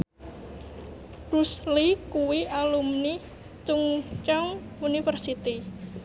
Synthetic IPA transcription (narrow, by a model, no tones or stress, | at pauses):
kuslikuwiʔalumni | t͡ʃuŋt͡ʃɔŋ | unifərsit̪i